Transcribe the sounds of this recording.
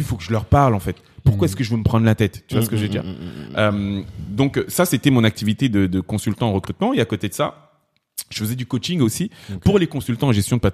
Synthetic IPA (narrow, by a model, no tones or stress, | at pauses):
ifokəʒəlœʁpaʁlɑ̃fɛt̪ | puʁkwaɛskəʒəvøməpχɑ̃d̪ʁlat̪ɛt̪ːyvwasə̥kəʒed̪ḭʁømd̪ɔ̃ksaset̪ɛmɔ̃nak̚t̪ivit̪ed̪əd̪əkɔ̃sylt̪ɑ̃ːʁəkχyt̪mɑ̃eakot̪ed̪əsa̰ | ʒ̥əfəzɛd̪ykot͡ʃiŋɡosipuʁlekɔ̃sylt̪ɑ̃ɑ̃ʒɛst̪jɔ̃d̪əpat̪